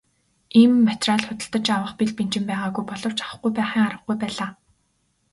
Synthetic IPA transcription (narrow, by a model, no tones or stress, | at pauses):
iːmːat̪raːɮχʊt̪ə̆ɬt̪ə̆t͡ɕawə̆χpiɮpen̥t͡ɕɪ̆mpæːʁaːɣujpɔɮɞ̆w̥t͡ɕḁχə̆χɡujpæːχiːŋaɾə̆χɡujpæːɮaː